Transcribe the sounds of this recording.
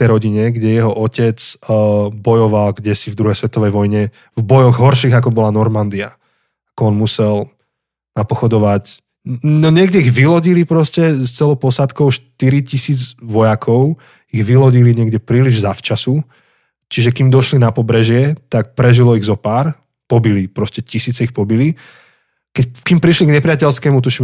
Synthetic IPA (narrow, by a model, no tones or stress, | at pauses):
t̪ɛjɾɔɟiɲɛɡɟɛjɛɦɔʔɔcɛt͡sː | bɔjɔʋalɡɟɛsivd̪ɾuɦɛjsʋɛt̪ɔʋɛjʋɔjɲɛ | vbɔjɔɣɦɔɾʃiːɣak̬ɔbɔlanɔɾmand̪ia | akɔɔnmusɛl | napɔxɔd̪ɔʋac | nɔɲɪɛɡɟɛiɣʋilɔɟilipɾɔscɛst͡sɛlɔpɔsat̪kɔʊʃt̪iɾicisiːd͡zʋɔjakʰɔʊ | iɣʋilɔɟiliɲɪɛɡɟɛpɾiːliʒzaft͡ʃasu | t͡ʃiʒɛkimd̪ɔʃlinapɔbɾɛʒɪɛt̪ak̚pɾɛʒilɔiɣzɔpaːɾ | pɔbilipɾɔscɛcisiːt͡sɛixpɔbili | kɛckimpɾiʃliɡɲɛpɾɪacɛlskɛːmut̪̬uʃim